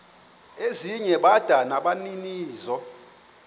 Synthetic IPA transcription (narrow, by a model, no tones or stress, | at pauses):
eziɲɛɓad̥ʱanaɓaniniːzɔ